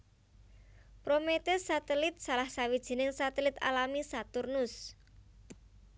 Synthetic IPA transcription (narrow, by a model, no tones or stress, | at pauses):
pɾomet̪ɪsːat̪ɛlɪt̪̚salahsawid̥ʒ̥i̤nɪŋsat̪ɛlɪt̪a̰lamisat̪ʊrnʊs